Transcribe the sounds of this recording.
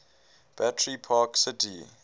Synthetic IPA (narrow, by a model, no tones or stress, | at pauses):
b̥atʰɹipʰaːksɪtḭ